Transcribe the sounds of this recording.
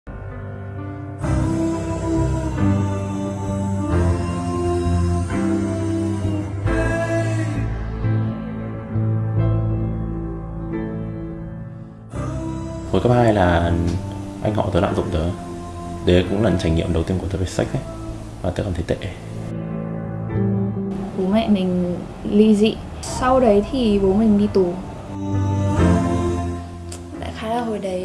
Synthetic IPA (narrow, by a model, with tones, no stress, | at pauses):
mo˨˩kə˦˥p̚haː˧jlaː˨˩ | ʔa˧jŋ̟hɔ̰˧˩t̪əː˨˦la̰ː˧˨mzʊ̰˧˨ŋ͡mt̪əː˨˦j | ɗ̪e˨˦kʊ̰˧˥ŋ͡mlaː˨˩˦t͡ɕa˧˩jŋ̟ŋḭ˧˨əmɗə˨˩wt̪i˧ənktʰə˨˦va˨˩sa˦˥k̟̚ʔə˨˦ | vaː˨˩ə˨˦kaː˨˩t̪ʰe˨˦t̪ḛ˧˨ʔ | ɓo˨˦mɛ̰˧˨nï˨˩ŋ̟ | lḭ˧˨zḭ˧˨ | sa˧wɗə˨˦jt̪ʰi˨˩ɓo˨˦mï˨˩ŋ̟ɗi˧t̪u˨˩ | ɗa̰ː˧˥xaː˨˦laː˨˩ɦo˨˩jɗə˨˦j